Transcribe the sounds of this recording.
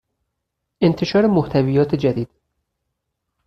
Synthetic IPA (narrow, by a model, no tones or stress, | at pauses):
ʔe̞nt̪ʰe̞ʃɒːɾemoht̪ʰævijɒːt̪ʰed͡ʒæd̪iːd̪̥